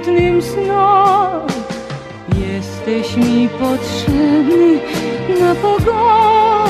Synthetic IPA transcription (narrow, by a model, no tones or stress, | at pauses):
d̪nɨmsnɔ | jɛst̪ɛɕmʲipɔtʂɛbninapɔɡɔ